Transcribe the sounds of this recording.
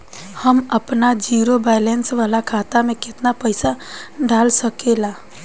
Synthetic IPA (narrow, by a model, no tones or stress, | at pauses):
həməpnad͡ʒiːɾobaːɪlɛnsʋaːlakʰaːt̪amẽkɪt̪napəɪsaɖaːlsəkelaː